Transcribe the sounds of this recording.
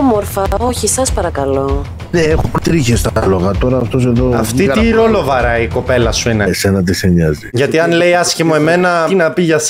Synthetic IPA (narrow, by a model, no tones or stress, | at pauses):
moɾfɐoçisɐspɐɾɐkɐlo̞ | neexot̪ɾiçest̪ɐloɣɐt̪o̞ɾɐft̪o̞se̞ðoɐft̪it̪iɾo̞lo̞vɐɾɐiko̞pe̞lɐsuinesenɐt̪̬iseɲɐziʝɐt̪iɐnle̞jɐsçimoe̞me̞nɐinɐpiʝɐs